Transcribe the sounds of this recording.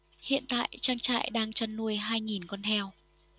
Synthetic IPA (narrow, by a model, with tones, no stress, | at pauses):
hḭ˧˨ənt̪a̰ː˧˨jt͡ɕaː˧ŋt͡ɕa̰ː˧˨jɗaː˧ŋt͡ɕa˧nːu˧əjɦaː˧jŋi˨˩nkɔ˧nhɛ˧w